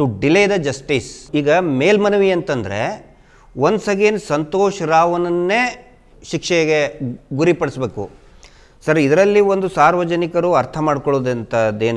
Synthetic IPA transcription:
uɖilejd̪ɐd͡ʒɐsʈiːsiːɡɐmeːlmɐnɐʋiɐnt̪ɐnd̪ɐɾe̞̰ | ʋond̪sɐɡeːnsɐnt̪oːʃɐɾaːʋɐnɐnːeː | ʃikʂɐɡeɡuɾipɐɽisbe̞ːkṵ | sɐɾid̪ɐɾɐlːio̞nd̪usaːɾʋɐd͡ʒɐnikɐɾuɐɾt̪ʰɐmaːɖkɔɭoːd̪ɐnt̪ɐd̪eːn

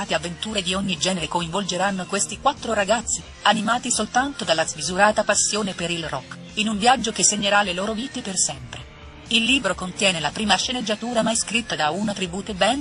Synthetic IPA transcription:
t̪eavːent̪uːɾed̪ioɲːid͡ʒɛːneɾekoiɱvold͡ʒeɾanːokwest̪ikwat̪ːɾoɾaɡat̪sːi | animaːt̪isolt̪ant̪od̪alːazmizuɾaːt̪apasːjoːnepeɾilrɔkː | inuɱvjad͡ʒːokesːeɲːeɾalːeloːɾoviːt̪epersɛmpɾe | ilːiːbɾokont̪jɛːnelapɾiːmaʃːened͡ʒːat̪uːɾamajskɾit̪ːad̪aunat̪ɾibuːt̪ebɛn

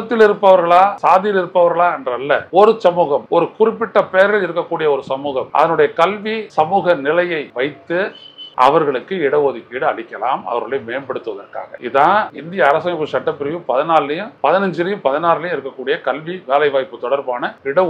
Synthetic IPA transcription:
ɐt̪ːɪlɪɾɯpːɐʋɐɾɣɐɭaːsaːðɪjɪlɪɾɯpːɐʋɐɾɣɐɭaːɛndrɐlːɐɔɾɯsɐmuːɣɐmɔɾɯkʊrɪpːɪʈːɐpeːɾɣɐɭɪɾɯkːɐkːuːɽɪjɐɔɾɯsɐmuːɣɐmʔɐ̰ðɐnɯɽɐjɐkɐlʋisɐmuːɣɐnɪlɐjɐɪʋɐɪt̪ːɯʔɐ̰ʋɐɾɣɐɭɯkːɯɪɽɐʋoðɪkːiːɽɯɐɭɪkʲːɐla̰ːmɐ̰ʋɐɾɣɐɭɐmeːnbɛɽɯt̪ːɯʋɐðɐrka̰ːɣɐ̰ʔɪðãːɪnd̪ɪjɐːɾɐsɐmɪpːɯsɐʈːɐpːɪɾɪjɯpɐðɪnaːllɐjɯ̃mpɐðɪnɐɲd͡ʒɪlɪjɯ̃mpɐðɪnaːllɐjmɪɾɯkːɐkːuːɽɪjɐkɐlʋiʋeːlɐɪʋaːjpːɯt̪ɔɽɐɾbaːnɐɪɽɐ

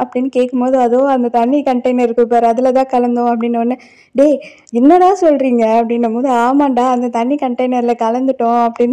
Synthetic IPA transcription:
ɐpːɐɽɪnːɯkeːkːɯmpoːðɯɐðoːɐnd̪ɐt̪ɐɳːikɐɳʈɐɪnɐɾɪɾɯkːɯpːɐɾɐðɪlɐt̪̬ãːkɐlɐnd̪ʊ̃ɐpːɐɽɪnːɯɐnːɯ | ɖeː | ɪnːɐɽaːsɔlːɾiːŋɡɐːpːɐɽɪnːɐmoːðɯaːmaːɳɖaːɐnd̪ɐt̪ɐɳːikɐɳʈɐɪnɐɾɪlɐkɐlɐnd̪ɯʈːʊ̃ɐpːɐɽɪnː

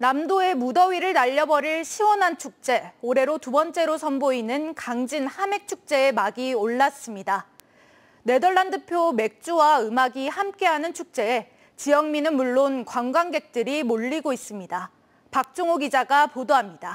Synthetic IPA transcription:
namdoe̞mudʌɥiɾɯɭnaʎːʌbʌɾiɭɕʰiwʌnɦant͡ɕʰuk̚t͡ɕ͈e̞oɾe̞ɾotubʌnt͡ɕ͈e̞ɾosʰʌnboinɯnkaŋd͡ʑinhame̞k̚t͡ɕʰuk̚t͡ɕ͈e̞ːmaɡioɭːas͈ɯmɲida | ne̞dʌɭːandɯpʰjome̞k̚t͡ɕ͈uwaɯmaɡihamk͈e̞ɦanɯnt͡ɕʰuk̚t͡ɕ͈e̞e | t͡ɕijʌŋminɯnmuɭːonkwaŋɡwaŋɡe̞k̚t͈ɯɾimoʎːiɡois͈ɯmɲida | pak̚t͡ɕ͈oŋoɡid͡ʑaɡapodoɦamɲida

